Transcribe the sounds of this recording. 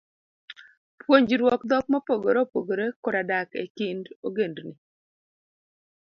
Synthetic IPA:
pwoɲd͡ʒɾwɔkd̪ɔk̚mɔpoɡoɾopoɡoɾekɔɾadakḛkɪndoɡendni

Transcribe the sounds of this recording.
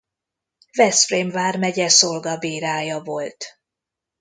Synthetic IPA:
vɛsfreːmvaːrmɛɟɛso̞lɡɒbiːɾaːjɒvo̞lt̪

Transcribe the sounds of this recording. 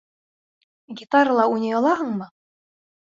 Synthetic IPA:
ɡʲit̪ɑɾlˠɑunʲɤjɑlˠɑɦɤɴmɤ

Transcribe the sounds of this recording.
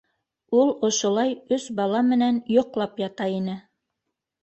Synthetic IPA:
ulˠŏʃŏlˠɑjɵsbɑlˠɑmɘ̆nænjŏqlˠɑpjɑt̪ɑinɘ

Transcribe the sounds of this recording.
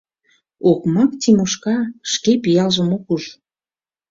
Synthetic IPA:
okmɑkt̪imoʃkɑʃkepijɑlʒəmokuʒ

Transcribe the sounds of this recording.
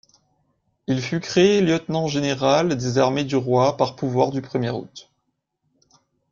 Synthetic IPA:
ilfykχeljœt̪nɑ̃ʒeneʁald̪ezaʁmed̪yʁwapaʁpuvwaʁd̪ypχəmjeʁṵt̪

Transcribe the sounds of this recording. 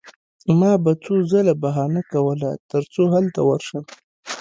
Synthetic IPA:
mɑbat͡sozalabaɦɑnakawəla̰t̪əɾt͡soɦalt̪awəɾʃəm

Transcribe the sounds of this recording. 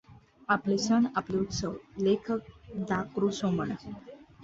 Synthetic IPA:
aplesənapleut̪səwlekʰək̚d̪akɾusoməɳə

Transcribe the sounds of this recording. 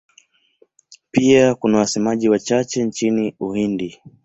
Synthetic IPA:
piakunawasɛmaʄiwat͡ʃat͡ʃɛnt͡ʃiniuhindi

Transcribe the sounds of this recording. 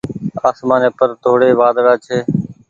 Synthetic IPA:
aːsmaːneːpəɾt̪ʰoːɽeːʋaːd̪ɽaːt͡ʃʰeː

